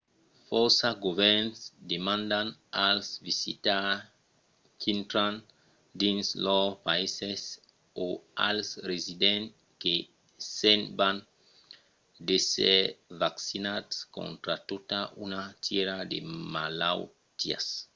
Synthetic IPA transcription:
foɾsaɡovɛɾnsd̪emãnd̪analsvisḭt̪a | kʰint̪ɾãn | d̪ĩnslɔpaises | oa̰lsrezid̪ẽn | ke | semban | d̪eseɾvaksinad̪skõ̰nt̪ɾat̪ot̪aʔunat̪ʰeɾad̪ḛmalaw | t̪ia̰s

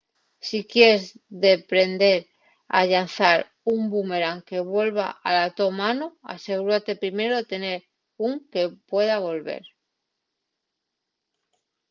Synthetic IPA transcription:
sikje̞ɾezðe̞pɾe̞nd̪e̞ɾ | a̰ʎan̟θaɾ | umbume̞ɾaŋke̞βwe̞lβ̞a̰ʔalat̪o̞manoa̰se̞ɣ̞uɾat̪e̞pɾime̞ɾo̞t̪e̞ne̞ɾ | uŋke̞pwe̞ðaβ̞o̞lβe̞̰ɾ

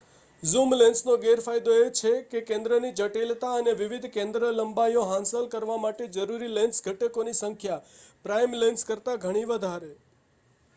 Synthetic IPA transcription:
zumlẽnsnoɡeɾfajd̪oet͡ʃʰekekẽnd̪ɾənid͡ʒəʈilt̪aəneʋiʋid̪ʱkẽnd̪ɾələmbajoɦãnsəlkəɾʋamaʈed͡ʒəɾuɾilensɡʱəʈekonisəŋkʰjapɾajmlenskəɾt̪aɡʱəɽ̃iʋəd̪ʱaɾe

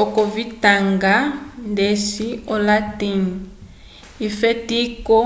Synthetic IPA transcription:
ɔkɔvitaŋɡandesiɔlatin | ifetikɔ

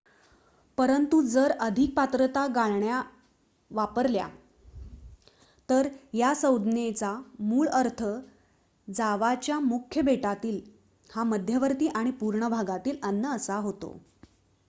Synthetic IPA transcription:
pəɾənt̪ud͡zəɾəd̪ʱik̚pat̪ɾət̪aɡaɭɳja | ʋapəɾlja̰ | t̪əɾɦjasəwd̪ʱnet͡samuːɭəɾt̪ʰə | d͡zaʋat͡ɕjamukʰːjəbeʈat̪iːl | haməd̪ʱjəʋəɾt̪iːʔaɽ̃ipuɾɳəbʱaɡat̪iːlənːəːsaɦot̪o̰

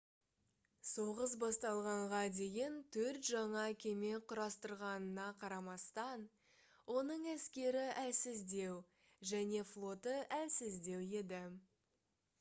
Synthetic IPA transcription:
so̞ʁəsbɑst̪ɑlˠʁɑɴʁɑd̪e̞jɪnt̪ʰɵɾt̪ʒɑɴɑkʲʰe̞me̞qʰʊɾɑst̪əɾʁɑnənɑqʰɑɾɑmɑst̪ɑn | wo̞nəɴæskʲe̞ɾɪʔælsɪzd̪e̞w | ʒæne̞flˠo̞t̪əʔælsɪzd̪e̞we̞d̪ɪ

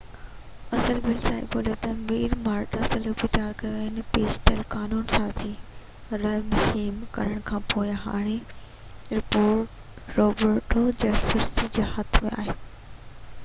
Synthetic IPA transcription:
ɐsəlbɪlsãːḭboːlet̪ɐmiːɾmaːɾʈɐsəlʊbit̪jaːɾkɐjoaːɦɪnɪ̆peːd͡ʑt̪ɐlkaːnuːnsãːd͡ʑiː | ɾɐmʊɦiːmkɐ̰ɾəɽ̃kʰãːpoːɪɦa̰ːɽ̃e | ɾɪpoːɾʈ | ɾoːbəɾʈoːd͡ʑɐfɪɾsid͡ʑeːhɐt̪ʰmẽa̰ːɦeː

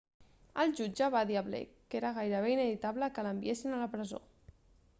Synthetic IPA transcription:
əlˠʒud͡ʒəβaðiaβlḛkeɾaɣajɾəβeinəβit̪aβləkələmbḭesinələpɾəzo̰

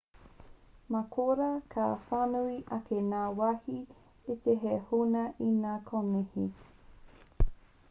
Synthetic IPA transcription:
makʰoɾɐkʰaːfanuiʔɐkʰenaːwahi | eteɦehunɐʔinaːkʰonehi

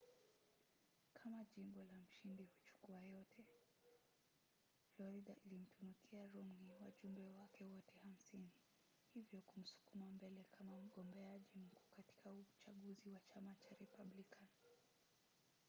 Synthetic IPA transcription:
kʰamaʄimbɔlam̩ʃindihut͡ʃu̥kuajɔtʰɛ | flɔɾidaʔilim̩tunukʰiaɾumniwa̰ʄumbɛwakɛwɔtɛham̩sini | hivjɔkum̩su̥kumambɛlɛkʰamam̩ɠɔmbɛaʄim̩kuːkati̥kaut͡ʃaɠuziwat͡ʃamat͡ʃaɾɛpablikan

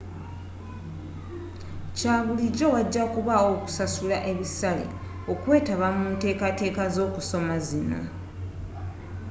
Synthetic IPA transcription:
caːβuliɟo̞waɟːakuβaoku̥sasulaʔe̞βisalḛ | o̞kwe̞ːtaβamuːnte̞ːkate̞ːkazo̞ːkuso̞mazina̰

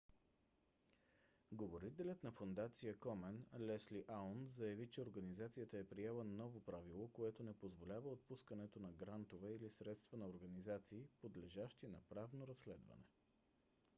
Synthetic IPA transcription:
ɡovoɾit̪ɛlʲət̪nɐfond̪at̪sijəkɔmɛnlɛsliʔanzɐjɐvit͡ʃɛoɾɡɐnizat̪sijət̪əɛpɾiɛlˠənɔvopɾavilˠokoɛt̪onɛpozvolʲavəot̪̚puskənɛt̪onɐɡɾant̪ovɛilisɾɛt̪st̪vənɐoɾɡɐnizat̪siːpod̪lɛʒaʃt̪inɐpɾavnoɾɐslɛd̪vɐ̰nɛ

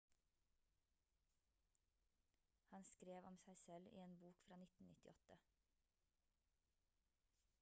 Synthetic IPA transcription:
hɑnskɾeːʋɔmsæɪsɛlḭːeːnbuːkfɾɑːnɪt̪n̩nɪ̰t̪ɪ̰ʔɔt̪ə

